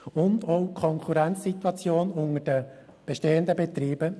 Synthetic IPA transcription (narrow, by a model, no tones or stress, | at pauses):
ʊndɔʊkʰɔŋkʰuɾɛnt͡ssit̪wɑt͡sjoːnʊŋəd̥ə | b̥eʃteːənd̪əbet̪ɾiːb̥ə